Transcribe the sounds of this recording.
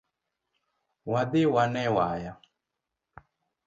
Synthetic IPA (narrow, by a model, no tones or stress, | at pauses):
wadɪwanɛwaja